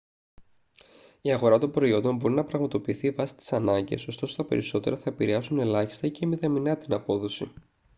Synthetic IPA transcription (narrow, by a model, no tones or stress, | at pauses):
iɐɣo̞ɾɐt̪o̞mbɾo̞io̞nd̪o̞mbo̞ɾinɐpɾɐɣmɐt̪o̞piːθiːvɐsi̥t̪i̥sɐnɐɲɟḛso̞st̪o̞sot̪ɐpe̞ɾiso̞t̪e̞ɾɐθɐepiɾeɐsune̞lɐçist̪ɐicemit̪ɐminɐt̪inɐpo̞ðo̞sḭ